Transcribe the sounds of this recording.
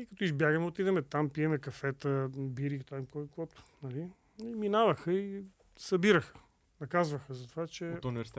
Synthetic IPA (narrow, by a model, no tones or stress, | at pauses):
ikɐt̪ɔizbjaɡəmɛot̪id̪ɛmɛt̪ampiɛmɛkɐfɛt̪əbiɾit̪aimkɔjkɔt̪ʊ̥nɐli | iminavɐxəi | sɐbiɾəxə̥ | nɐkazvɐxəzɐt̪ovat͡ʃɛt̪nivɛɾst̪